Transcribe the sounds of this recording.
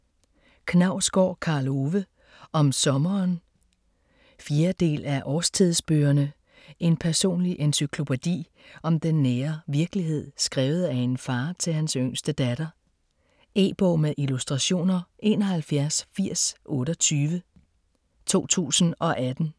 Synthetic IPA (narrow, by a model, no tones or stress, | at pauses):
kʰnɑ̈ʊ̰sɡ̥ɒ̰ːkʰɑ̈loːʋə | ɒ̽msɒ̽mɐn | fjeːɐd̥e̝̰ːlæɐʔɒːst͡sʰið̞ˠsb̥øːɐnə | ʔe̝npʰæɐso̝̰ːnliʔensykʰlo̝pʰed̥ḭː | ɒ̽md̥enːeːɐʋiɐɡ̥əliɦe̝ð̞̰ˠsɡ̥ʁɛːʊð̩ˠæe̝nfɑ̈ːt͡sʰe̝lhænsøŋ̰sd̥əd̥æd̥ɐ | e̝̰ːb̥ɔ̰ːmeðˠʔilusd̥ʁɑ̈ɕo̝̰ːnɐʔe̝ːnɒ̽ɦælfjæɐsfiɐ̰sʔɔ̽ːɾ̥ɒt͡sʰyːʋə | t͡sʰo̝̰ːt͡sʰṵːsn̩ɒ̽ʔæd̥n̩